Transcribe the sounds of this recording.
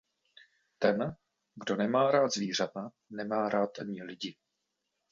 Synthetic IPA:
t̪ɛn | ɡdo̞nɛmaːɾaːt̪zviːr̝at̪a | nɛmaːɾaːt̪ɲɪlɪɟɪ

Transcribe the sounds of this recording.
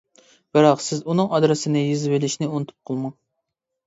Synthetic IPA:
b̥ɨɾɑqsɪzunɨŋɑd̪ɾɨsɨnɨjizɪvɪlɪʃnɪunɨt̪ʰu̥p̚qʰolˠmɑ

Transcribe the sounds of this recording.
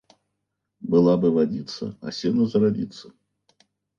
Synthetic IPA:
bɨlˠabɨvad͡zʲit̪sːɐ̰ɐ̰sʲinɐzɐɾadʲit̪sːɐ

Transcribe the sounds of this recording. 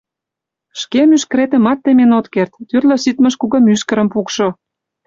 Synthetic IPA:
ʃkemyʃkɾet̪ə̆mɑt̪ːemenot̪kert̪ːyrlə̆syt̪mə̆ʃkuɣə̆myʃkə̆ɾə̆mpukʃo

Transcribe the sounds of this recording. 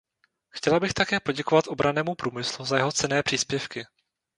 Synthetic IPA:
xcɛlabɪxt̪akɛːpo̞ɟɛko̞vat̪ʔo̞bɾʔanɛːmupɾuːmɪsluzajɛɦo̞t͡sɛnɛːpr̝̥iːspjɛfkɪ

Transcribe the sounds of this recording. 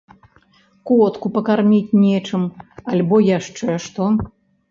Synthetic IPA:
klɔt̪kupɐkarmʲit͡sʲnʲɛt͡ʂɨmalʲbɔjaʂt͡ʂɛʂt̪ɔ

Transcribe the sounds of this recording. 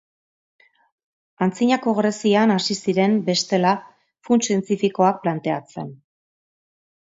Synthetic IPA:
ant͡siɲako̞ɣɾe̞sianasisiɾe̞mbe̞st̪e̞la | funsie̞nt͡s̪ifiko̞ak̚plant̪e̞at͡se̞̰n

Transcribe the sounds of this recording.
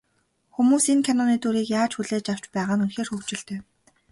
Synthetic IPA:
xumuːsiŋkʰanɔniːt̪uɾiːkjaːt͡ɕxuɮeːt͡ɕaw̥t͡ɕpæːʁaːnunxeːrxɵkt͡ɕɪ̆ɬt̪ʰeː

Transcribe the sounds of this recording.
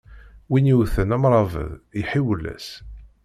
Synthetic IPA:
winuwθənæmɾˤɑvə̰ðiħiwlːæ̰s

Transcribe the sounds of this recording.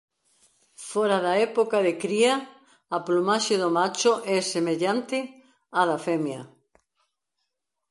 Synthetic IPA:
foɾaðaɛpokaðekɾia | aplumaʃeðomat͡ʃoʔɛsemeʎant̪ɪ | aðafɛmja

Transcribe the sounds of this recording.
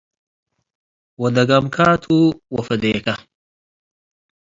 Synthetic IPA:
wɐd̪ɐɡɐmkʰaːt̪ʰuwɐfɐd̪eːkɐ

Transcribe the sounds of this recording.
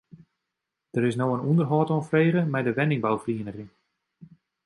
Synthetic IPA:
d̥əɾɪsnoːənundərɦɔːtɔnfreːɣəmɛjdəʋɛnɪŋbawfriənəχɪŋ

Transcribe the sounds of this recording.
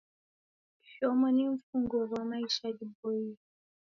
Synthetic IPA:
fɔmɔniɱ̩fuŋɡɔwwamaiʃaɟibɔi

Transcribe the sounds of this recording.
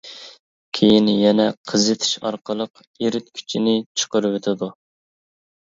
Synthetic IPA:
kʲʰejinjɛnɛqʰəzɨt̪ʰɪ̥ʃɑ̰ɾqəlˠəq | jeɾɪt̪̚kʲʰy̥t͡ʃʰinɪt͡ʃʰə̥qʊɾwet̪ʰɪd̪u

